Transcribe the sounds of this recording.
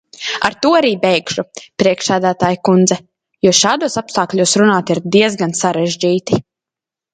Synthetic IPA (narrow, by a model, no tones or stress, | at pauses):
aɾt̪uɔaɾiːbɛjɡʃupɾiɛkʃsæːd̪æːt̪aːjukund̪zɛ | juɔʃaːd̪uɔsapst̪aːklʲuɔːsɾunaːt̪iɾd̪iɛzɡansaɾɛʒd͡ʒiːt̪i